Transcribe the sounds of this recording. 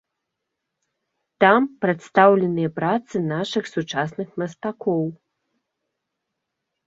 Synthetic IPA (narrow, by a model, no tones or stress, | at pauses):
t̪ampɾɛt̪st̪awlʲɛnɨjɐpɾat̪sɨnaʂɨxsut͡ʂasnɨxmɐst̪akɔw